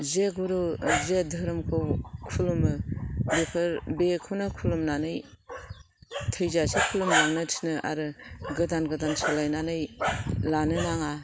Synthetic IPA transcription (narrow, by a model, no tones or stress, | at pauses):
zeɡuɾuzedʱɯɾɯmkʰɯwkʰulumɯbepʰɯɾbekʰunɯkʰulumnanɯj | tʰɯjzasikʰulumnaŋnɯtʰi̥nɯʔa̰ɾɯɡɯdanɡɯdansalajnanɯjlanɯnaŋa